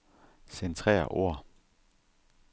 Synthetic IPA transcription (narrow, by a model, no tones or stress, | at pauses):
sent͡sʰʁɛ̰ːɐʔo̝ɐ̰